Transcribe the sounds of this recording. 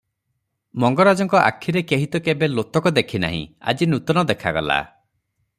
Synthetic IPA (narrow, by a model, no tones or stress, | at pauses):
mɔŋɡɔɾad͡ʒɔŋkɔʔa̰kʰːiɾekeɦit̪ɔkebelot̪ɔkɔd̪ekʰina̰ɦḭ̃a̰d͡ʒinut̪ɔnɔd̪ekʰaɡɔ̰la̰